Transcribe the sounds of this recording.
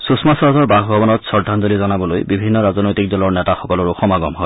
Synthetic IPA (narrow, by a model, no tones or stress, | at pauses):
susmasɹazɔɹbaxbʱɔbɔnɔtsɔɹdʱanzolizɔnabɔlojbibʱinːɔɹazɔnojtik̚dɔlɔɹnɛtaxɔkɔlɔɹoxɔmaɡɔmɦɔj